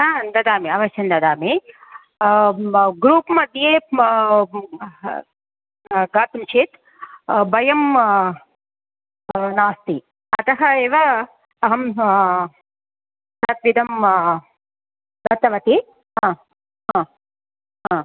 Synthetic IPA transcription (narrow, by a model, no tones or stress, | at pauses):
and̪ɐd̪aːmiɐʋɐʃjɐnd̪ɐd̪aːmi | ɡɾuːpmɐd̪ʱjeː | ɡaːt̪umt͡ʃʰit̪ | bɐjɐm | naːst̪i | ɐt̪ɐɦɐeːʋɐ | ɐɦɐm | sɐt̪ʋid̪ɐm | d̪ɐt̪ːɐʋɐt̪i | ɦãː | ɦãː | ɦãː